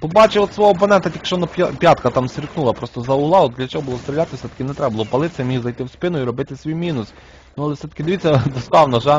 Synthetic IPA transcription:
pɔbɑt͡ʃɪɔt̪sʋɔɦɔp̬ɔnɛnt̪ɐt̪jɐkʃɔnɐpʲpʲjɑt̪kɐt̪ɑmsʲirknulˠɐpɾɔst̪ɔzɐʊɦlˠɑɔd̪d̪lʲɐt͡ʃɔɦɔbʊlˠɔst̪ɾʲɪlʲat̪ɪsɛt̪ɐ̥kɪnɛt̪ɾɛbʊlˠɔpɐlˠɪt̪sɛmʲihzɐjt̪ɪwspɪnʊiɾɔbɪt̪ɪsʲʋʲijmʲinʊs | nʊɑlˠefsɛt̪ɐ̥kʲɪd̪eʋitt͡sʲːɐd̪ɔst̪ɑwnɔʒɛ

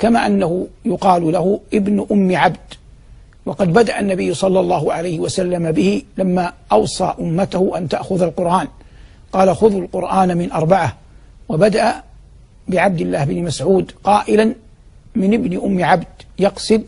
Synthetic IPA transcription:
kamaːʔanːaɦʊjʊqɑːlʊlaɦʊʔɪbnʔʊmːɪʕabd̪̥ | wɑqɑd̪bad̪aʔanːabɪjːʊsˤɑlːɑlˤːɑːhʊʕalajhɪwasalːamabɪhɪlamːaːʔɑwsˤɑ̰ːʔʊmːat̪ahʊʔant̪aʔxʊðalqʊɾʔaːn | qɑːlaxʊðalqʊɾʔaːnamɪnʔɑɾˤbaʕa | wabad̪aʔa | bɪʕab̚d̪ɪlːaːhɪbnmasʕuːd̪qɑːʔɪlan | mɪnɪbnɪʔʊmːɪʕabd̪jɑqsɪd̪

